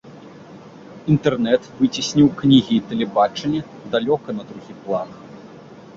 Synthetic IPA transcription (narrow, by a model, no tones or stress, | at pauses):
int̪ɛrnɛt̪vɨt͡sʲisʲnʲiwknʲiɣʲiːt̪ɛlʲɛbat͡ʂɐnʲːɐ | d̪alʲɔkɐnɐd̪ɾuɣʲiplˠan